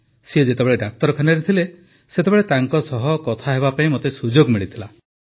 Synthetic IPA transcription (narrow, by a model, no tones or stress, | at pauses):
sied͡ʒet̪ebeɭeɖak̚t̪ɔɾɔkʰanɔɾet̪ʰile | set̪ebeɭet̪aŋkɔsɔɦɔkɔt̪ʰaɦeβapaĩmot̪esud͡ʒoɡmiɭit̪ʰila